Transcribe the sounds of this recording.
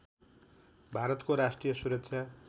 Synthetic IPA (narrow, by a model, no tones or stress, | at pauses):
bʱaɾʌt̪koɾasʈrijʌsuɾʌksʰja